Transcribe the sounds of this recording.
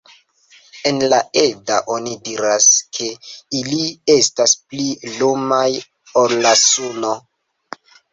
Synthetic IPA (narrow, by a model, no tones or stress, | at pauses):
e̞nlae̞daʔo̞nidiɾaskʰe̞ilie̞stasplilomaj | olːasuno